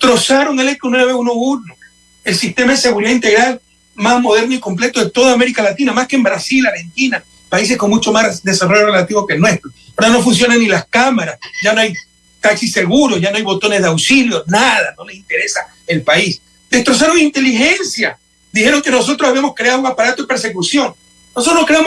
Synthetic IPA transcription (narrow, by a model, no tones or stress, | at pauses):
t̪ɾo̞saɾo̞ŋelekonweβesunouɾno | elsist̪e̞maesːe̞ɣuɾiðaint̪e̞ɣɾal | mazmoð̞e̞ɾnoiko̞mple̞t̪oðet̪o̞ðame̞ɾikalat̪inamaskembɾasilaɾhe̞nt̪ina | pais̬e̞sko̞ŋmut͡ʃo̞masd̪e̞saro̞ʝore̞lat̪iβo̞kelnwe̞st̪ɾooɾano̞funs̬jo̞naŋnilaskamaɾasɟ͡ʝanoaj | t̪aksise̞ɣuɾo̞sʝanoajβo̞t̪o̞ne̞zðawsiljo̞naðano̞lesint̪e̞ɾe̞sa | elpais | d̪̥e̞st̪ɾo̞s̬aɾoŋint̪e̞lixensja | d̪ihe̞ɾo̞ŋke̞no̞so̞t̪ɾosaβiamo̞skɾeaðuŋapaɾat̪oðepe̞ɾse̞kusjo̞ŋ | nosot̪ɾookɾea